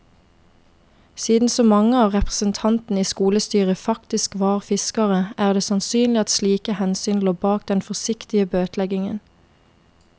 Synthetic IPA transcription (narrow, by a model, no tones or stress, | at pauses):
siːd̪n̩soːmɑŋəɑːʋʁɛpʁə̥sənt̪ʰɑnt̪n̩iːskuːləst̪yːʁəfɑkt̪ɪskʋɑːʁfɪskɑʁəʔæːʁd̪eːsɑnsyːnlɪɑt̪sliːkəhɛnsyːnloːbɑːk̚d̪ɛnfɔsɪkt̪ɪəbøːt̪ʰlɛɡɪŋə̰n